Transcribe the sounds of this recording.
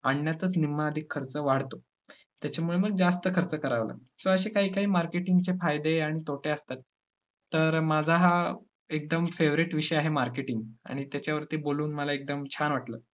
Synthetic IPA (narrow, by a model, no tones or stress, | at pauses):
aɳːjat̪ət͡snimːaəd̪ʱikʰːəɾt͡səʋaɽ̤t̪o | t̪jat͡ɕamuɭeməɡ̚d͡zast̪əkʰəɾt͡səkəɾaʋlə̰ː | sõəɕekaɦiːkaɦiːmaɾkeʈiŋɡt͡ɕefajd̪eaɽ̃it̪oʈeəst̪at̪ː | əɾmad͡zʱaɦa | ek̚d̪əmfeʋɾiʈʋiʂəjaɦemaɾkeʈiŋɡa̰ɽ̃it̪jat͡ɕjaʋəɾt̪iboluːnməlaek̚d̪əmt͡ɕʰanʋaʈlə̰ː